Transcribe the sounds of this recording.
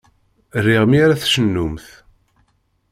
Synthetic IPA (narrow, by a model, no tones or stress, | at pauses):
rːiʁmiaɾaθʃənːumθ